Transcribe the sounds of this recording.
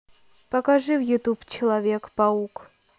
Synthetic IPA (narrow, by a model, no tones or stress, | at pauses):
pɐkaʐɨvjʊt̪upt͡ɕɪlˠɐvʲekpɐuk